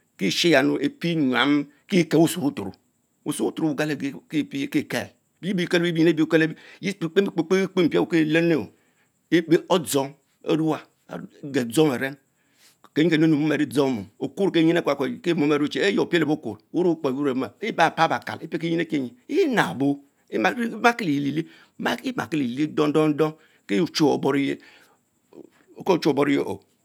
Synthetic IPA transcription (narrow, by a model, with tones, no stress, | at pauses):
ki˦˨ʃe˦ja˨nu˨ʔe˨pi˦ɲʷ˨a˨˦m | ki˦ke˨˦u˦so˨u˦tu˨ɾṵ˨ | ṵ˨su˦u˦tu˨ɾu˨u˨ɡa˦le˦˨e˨kpke˦˨kḛ˨l | bi˦bi˦ke˦li˦i˦e˦bi˦u˦ke˦le˦ji˦˨k͡pe˦i˨k͡pe˦˨k͡pe˦k͡pe˦m̩˨pe˦u˨˦ke˦˨le˦ne˦˨o̰˨ | e˦be˦o˦d͡zo˦ŋ | o̰˦ɾu˦a̰˨ | ɡe˨d͡zo˦me˨ɾe˦n | ke˨˦i˦ke˨no˦nu˨mu˦me˨ɾi˦d͡zo˦ŋ˦mṵ˨o˨ku˦ɾke˦ɲi˦ne˦kke˦mo˦me˨ɾu˦t͡ʃe˦e˦jo˨ple˨bo˦kṵ˨ɾu˦ɾu˦k͡po˨wu˦ɾe˨˦ma˨˦ba˦˨pa˦ba˨ka̰˨li˦pe˦ke˦ɲi˦ne˦ke˦˨ɲi˨˦i˦na˨bo˦ | i˦ma˦ke˦li˨li˨li˦ | ma˦i˦ma̰˨ke˦li˨li˦do˦n˦o˦ŋ̩˦do˦ŋ | ke˦u˨t͡ʃo˦o̰˨bo˨ɾi˦je˦ | o˨ko˦˨t͡ʃu˦o˨bo˦ɾi˦jo̰˦ʔo̰˨